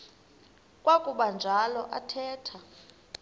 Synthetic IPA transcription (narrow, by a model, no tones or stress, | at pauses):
kʼwakʼuɓand͡ʒʱalɔ̰ʔatʰɛːtʰa